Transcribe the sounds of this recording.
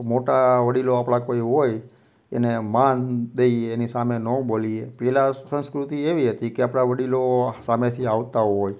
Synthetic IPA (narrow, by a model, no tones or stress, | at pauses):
moʈaʋəɽiloapɽ̃akoiɦoj | ḛnemand̪eiːnisamenɔ̃boliepɛlasə̃nskɾut̪ieʋiɦət̪ikeapɽ̃aʋəɽilosamet̪ʰiaʋt̪aɦoj